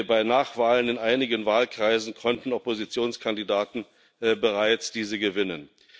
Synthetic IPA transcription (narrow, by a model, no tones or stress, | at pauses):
baɪnaːχv̥aːlənɪnʔaɪnɪɡənvaːlkʁ̥aɪzn̩kʰɔntn̩ɔpozit͡sjoːnskʰandidaːtn̩ | bəʁaɪt͡sd̥iːzəɡəvɪnən